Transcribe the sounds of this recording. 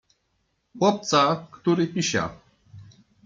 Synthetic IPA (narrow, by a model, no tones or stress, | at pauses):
wɔp̚t͡sʼakʰʼt̪ʰuɾipʼiʃa̰